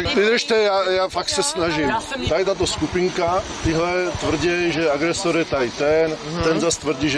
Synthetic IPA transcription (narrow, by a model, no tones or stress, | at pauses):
avid̪ɾʃt̪ɛjaːjaːfaksɛsnaʒimt̪ajt̪at̪oskupiŋkat̪iɦlɛt̪vr̩ɟɛjʒɛaɡɾɛsoɾjɛt̪ajt̪ɛnt̪ɛnzast̪vr̩ɟiʒɛ